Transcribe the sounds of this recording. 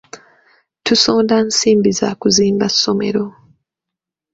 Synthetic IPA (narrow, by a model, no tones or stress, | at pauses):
tusoːndansiːmbiza̰ːkuziːmbasːome̞̰ɾo̞